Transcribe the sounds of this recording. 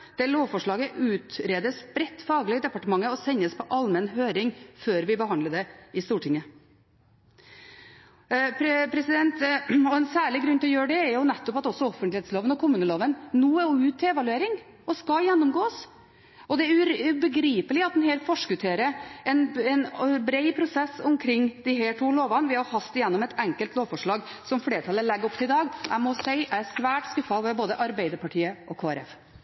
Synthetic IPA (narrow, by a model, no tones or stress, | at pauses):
d̪̥ɛloːʋfɔʂɭɑːɡəʔʉːt̪ɾeːd̪əsbɾɛt̪ːfɑːɡlɪd̪ɛpɑʈəmɑŋːəɔsɛɲːəspʰɔʔɑlmənɦøːɾɪŋføːɾʋɪbəhɑnd̪ləd̪ɛɪst̪uːʈʰɪŋːə | ppʰɾɛsɪd̪ɛnt̪ɔɛnsæːɭɪɡɾʉnːt̪ɪlɔjøːɖɛːɾjʊnɛt̪ːɔpɑt̪ɔsːɔɔfənlɪheːt̪sloːʋənɔkʰʊmʉːnəloːʋənnuːʉːt̪ʰːɪɛʋɑlʉeːɾɪŋ | ɔskɑjɛnːʊmɡoːs | ɔd̪ɛæɾʉɾbəɡɾiːpəlɪɑt̪d̪ɛnɦeːɾfɔʂkʉt̪ʰeːɾəɛnɛnbɾeɪpʰɾʊsɛsʊmkʰɾɪŋːd̪ɪɦæːʈʰuːloːʋɑnʋɪhɑɾhɑst̪ɪjɛnːɔmɛt̪ɛŋkəlt̪loːʋfɔʂɭɑːɡsɔmfleːʈʰɑlːəlɛɡːɾɔpt̪ʰɪlɪd̪ɑːɡʔæ̰ɪmɔseɪʔææsʋæːʈskʉfːɑʋɛboːd̪əʔɑɾbæɪd̪əɾpɑʈʰiːəʔɔkʰoːæɾɛ̰f